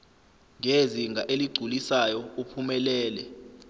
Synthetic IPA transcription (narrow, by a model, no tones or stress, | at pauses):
ŋeziŋʱaʔeliɡ͡ǀʱulisajɔupʰumɛlɛːlɛ